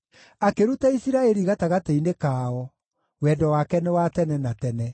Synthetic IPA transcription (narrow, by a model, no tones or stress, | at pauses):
akeɾutaisiɾaɛɾiɣataɣateinekaːɔ | wɛdɔwakɛnɛwatɛnɛnatɛnɛ